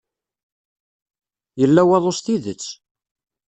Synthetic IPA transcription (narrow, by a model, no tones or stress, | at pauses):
jəlːæwɑðˤosθiðət͡sː